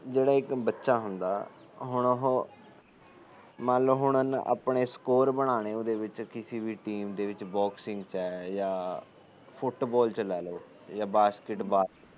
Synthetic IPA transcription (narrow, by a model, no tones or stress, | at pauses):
d͡ʒeːɽaːɪkbətːʃaːɦʊnd̪a̰ː | ɦʊɳɦ | mɛ̃ːləɦʊɳənʔa̰ːpɳeːskoːɾbəɽ̃aːɽ̃eːod̪eːʋɪt͡ʃkɪsiːbiːʈiːmd̪eːʋɪt͡ʃbɔːksɪ̃ŋɡt͡ʃɛːjaː | pʰʊʈbɔːlt͡ʃəlɛːloː | jaːbaːskɪʈbaː